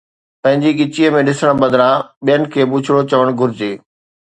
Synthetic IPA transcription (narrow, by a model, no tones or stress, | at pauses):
pɐ̃ɦɪ̃ɲd͡ʑiɠɪt͡ɕiːəmẽɗɪsəɽ̃bɐd̪ʱɾãɓijənɪ̆kʰeːbʊt͡ɕʰɪɽot͡ɕɐʋəɽ̃ɡʱʊɾɪd͡ʑeː